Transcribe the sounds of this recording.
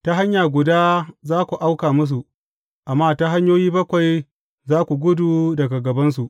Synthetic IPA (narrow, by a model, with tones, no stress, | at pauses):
ta˦ɦa˦ɲjaː˨ɡʷʊ˨daː˦zaː˦kʷu˨ʔa˦wkaː˨mʊ˦s̬u˨ʔ | ʔa˨mːaː˦ta˦ɦa˦ɲjoː˦jiː˦bɐ˦kʷa˨j | zaː˦kʷu˨ɡʷʊ˦duː˨dɐ˨ɡa˨ɡɐ˨bɐ˦ns̬u˨ʔ